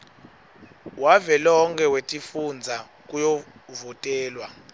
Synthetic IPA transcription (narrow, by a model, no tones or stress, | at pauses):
wavɛlɔɦɔŋkʰʼɛwetʼifund͡zʱa | k̬ʼujɔvɔtʼɛːlwa